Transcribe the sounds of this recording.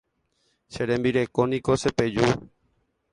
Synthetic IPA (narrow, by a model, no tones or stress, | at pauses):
ʃeɾẽmbiɾe̞konikoseped͡ʒu